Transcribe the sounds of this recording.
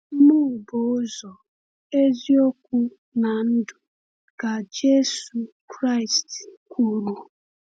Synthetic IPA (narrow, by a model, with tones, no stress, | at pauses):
m̩˦mu˦˨bo˨˦zɔ˨ | e˦zi˦o˦kʷu˦ | na˨n̩˦dʊ˨ | ka˨d͡ʒe˦su˨kɾa˦i˨stkʷu˦ɾu˨